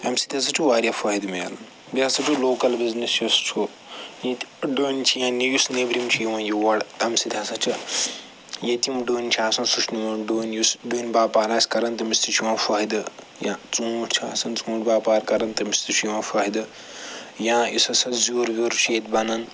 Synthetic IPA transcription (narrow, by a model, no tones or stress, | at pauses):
ɐmsi̥t̪ʰʲas̬ɐt͡ʃʰuʋaːɾʲjaːfaːɦid̪melɐn | bʲaːsɐt͡ʃʰuloːkɐlbiznisjust͡ʃʰu | jet̪ɖoːnʲt͡ʃʰijãːnijusnebɾimt͡ʃʰujiʋãːjuʋɐɽt̪ɐmsit̪ʲʰaːsɐt͡ʃʰɨ | jet̪imɖoːnʲt͡ʃʰaːsɐnsut͡ʃʰnimɐɖoːnjusɖoːnʲbaːpaːɾaːsʲkɐɾɐnt̪ɐmist̪it͡ʃʰuʋãːfaːɦid̪ɨ | jãːt͡sũːʈt͡ʃʰa̰ːsɐnt͡suːʈbaːpaːɾkɐɾɐnt̪ɐmist̪it͡ʃʰujuʋãːfaːid̪ɨ | jãːjisɐsɐzuːɾɡʲoɾt͡ʃʰeːt̪bɐnɐn